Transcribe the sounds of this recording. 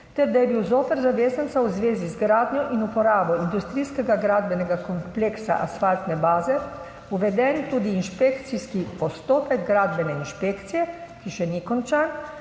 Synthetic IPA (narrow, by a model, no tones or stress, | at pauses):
t̪ɛɾd̪ajɛbiwzoːpɛɾzaʋeːsɛnt̪sawzʋeːzizɡɾaːd̪nʲjɔʔinupɔɾaːbɔind̪ust̪ɾijskɛɡaɡɾaːd̪bɛnɛɡakɔmpleːksa̰ʔasfalt̪nɛbaːzɛ | uʋɛd̪ɛnt̪uːd̪iːnʃpeːkt̪siskipɔst̪oːpɛɡɡɾaːd̪bɛnɛinʃpeːkt̪sijɛkiʃɛnikɔnt͡ʃaːn